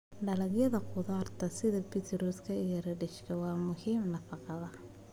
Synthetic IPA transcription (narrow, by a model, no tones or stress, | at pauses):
ɖɐlɐɡjɐðɐqʊðaːrt̪ʰɐsɪðɐbɪt̪ʰɾuːskʰɐɪjɐɾɐɖɪʃkʰɐwɑːmʊhiːmnɐfɑqɑðɐ